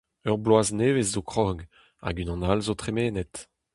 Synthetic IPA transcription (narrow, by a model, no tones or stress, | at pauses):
œʁblwaːzneːvezzokχɔɡ | a̰ɡynɑ̃nalzot̪χemeːnɛt̪